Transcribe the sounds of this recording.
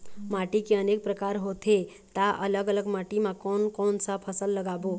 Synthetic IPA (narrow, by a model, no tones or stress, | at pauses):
maʈikeənek̚pɾəkaɾɦot̪e | t̪aʔələɡələɡmaʈimãkɔnkɔːnsəpʰəsəlːəɡabo